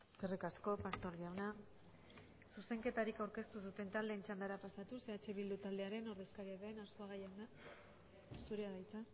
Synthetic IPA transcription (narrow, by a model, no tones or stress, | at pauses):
eskerikasko̞past̪o̞ɾɣiawna | suse̞ŋke̞t̪aɾikawɾke̞st̪usut̪e̞nt̪ald̪e̞ːnt͡ʃand̪aɾapasat̪useat͡ʃe̞βild̪ut̪ald̪e̞aɾe̞no̞ɾðe̞skaɾiaðe̞naɾsoaɣajana | suɾeaɣajt͡sa